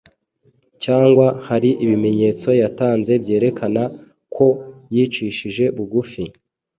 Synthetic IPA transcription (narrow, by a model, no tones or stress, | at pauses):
caːŋɡwahaɾiʔiβime̞ɲe̞ːt͡so̞jataːnze̞bje̞ːɾe̞kʰana | kʰo̞jiːt͡ʃiʃiʒe̞βuɡufi